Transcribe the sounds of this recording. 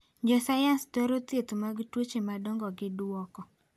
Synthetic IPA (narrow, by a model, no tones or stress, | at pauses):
ɲd͡ʒɔsajanstoɾot̪jet̪omaɡitwot͡ʃemadɔŋɡɔɡɪdwɔkɔ